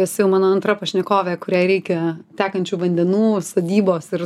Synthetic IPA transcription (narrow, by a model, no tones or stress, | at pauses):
ɛsʲjɛʊmɑːnoːɐnt̪ɾɐpɐʃʲnʲɛkoːʋʲekʊɾʲɛɪɾʲɛɪkʲɛt̪ʲæːkɐnʲt͡ʃʲuːʋɐnʲd̪ʲɛnuːsoːd̪ʲiːboːsɪɾ